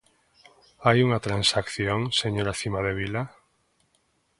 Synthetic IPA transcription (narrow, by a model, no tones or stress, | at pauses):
ajuŋat̪ɾansakθjoŋseɲoɾaθimaðeβ̞ila